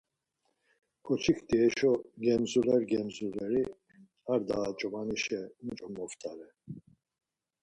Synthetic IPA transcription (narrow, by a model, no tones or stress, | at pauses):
kʰʼɔt͡ʃʰikd̪iɛʃɔɡɛmzulɛɾɡɛmzulɛɾi | aɾd̪aːt͡ʃʼɔmaniʃɛmud͡ʒʼɔmɔft̪ʰʼaɾɛ